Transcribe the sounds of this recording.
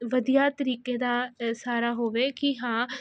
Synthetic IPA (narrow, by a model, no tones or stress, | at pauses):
ʋəd̪ijaːt̪əɾiːkeːd̪aːsaːɾaːɦoːʋeːkɪɦãː